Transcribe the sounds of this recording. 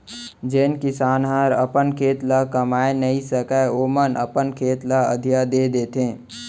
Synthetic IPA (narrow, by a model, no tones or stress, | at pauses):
d͡ʒeːnkɪsaːnɦaɾəpənkʰeːt̪lakəmaːenəɦisəkəomənə̰pənkʰeːt̪laə̰d̪ʱjad̪eːd̪eːt̪ẽː